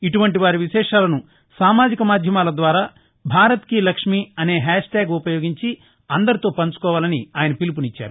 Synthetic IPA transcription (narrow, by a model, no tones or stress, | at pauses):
iʈuʋɐɳʈiʋaːɾiʋiʃɛːʂaːlɐnu | saːmaːd͡ʒikɐmaːd̪ʱjɐmaːlɐd̪ʋaːɾaː | bʱaːɾɐt̪kilɐkʂmiɐne̞ːɦɛːʂʈaːɡupɐjo̞ːɡiɲt͡ʃi | ɐnd̪ɐɾit̪o̞ːpɐnt͡ʃu̥kɔːʋaːlɐniaːjɐnɐpilip̬unit͡ʃːa̰ːɾu